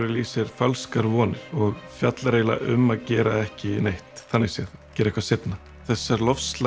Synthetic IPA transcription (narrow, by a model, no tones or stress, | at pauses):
ɾɪliːsɪɾ̥falskaɾvɔːnɪɾ̥ɔɣfjat̪lɾeːjla̰ʔʏ̰mːaðcɛːɾaɛhcɪnejht̪θanːɪɣsjɛðcɛːɾɛhkvasejt̪na | θɛsːaɾlɔfst̪la